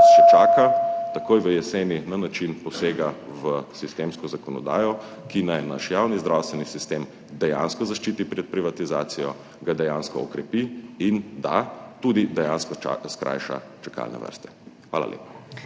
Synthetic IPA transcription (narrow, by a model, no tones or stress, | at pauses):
ʃɛt͡ʃaːkat̪akoːjʋəjɛseːninanat͡ʃinpɔseːɡaʋəsist̪eːmskɔzakɔnɔ̰d̪a̰ːjɔ | kinajna̰ʃjawnizd̪ɾawst̪ʋɛnisist̪em | d̪ɛja̰nskɔzaʃt͡ʃiːt̪ipɾɛt̪̚pɾiʋat̪izaːt̪sijɔ | ɡad̪ɛjaːnskɔɔkɾɛpiind̪a̰t̪ud̪id̪ɛjanskɔskɾʔa̰jʃa̰t͡ʃaka̰lnɛ̰ʋə̰ɾst̪ɛ̥xʋa̰ːla̰lʔḛːpa